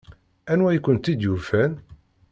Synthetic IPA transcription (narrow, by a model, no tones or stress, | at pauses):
ænwæjkʷːənt̪id̪jufæn